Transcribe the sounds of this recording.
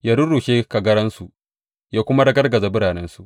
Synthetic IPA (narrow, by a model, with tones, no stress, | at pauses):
jaː˦ɽʊ˦ɽuː˨ʃeː˦ka˨ɡɐ˦ɽɐ˦nsu˨ʔ | jaː˦kʷʊ˦ma˦dɐ˦ɡɐ˦rɡɐ˨za˨bɪ˦ɽaː˨nɛ˦nsu˨ʔ